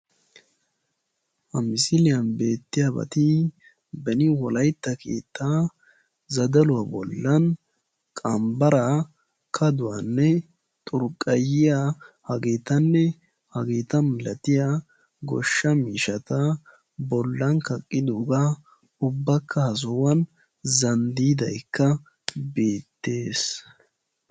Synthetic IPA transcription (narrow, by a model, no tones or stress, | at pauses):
hɐmɪsɪlɪjɐnbe̞ːt̪ːɪjabɐ̰t̪ɪ | bɛnɪwɔlɐjt̪ːɐkʰḛːt̪ːaː | zɐd̪ɐlʊwɐbɔ̰lːɐn | kʼɐmbɐɾa | kʰɐd̪ʊwanːɛ | t̪ʼʊɾkʼːɐjɪjahɐɡeːt̪ɐnːɛ | hɐɡeːt̪ɐmmmɪlɐt̪ɪjaː | ɡɔ̰ʃːɐmiːʃɐt̪ɐ | bɔlːɐnkɐkʼːɪd̪oːɡaː | ʊbːɐkʰːɐhɐzɔwɐn | zɐnd̪iːd̪ɐjkːɐ | beːt̪ːe̞ːs